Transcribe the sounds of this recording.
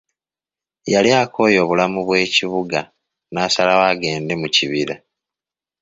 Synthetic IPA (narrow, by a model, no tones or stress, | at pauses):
jaljaːkʰo̞ːjo̞βulamuβwe̞ːciβuɡa | naːsalawaːɡe̞ːnde̞muciβiɾa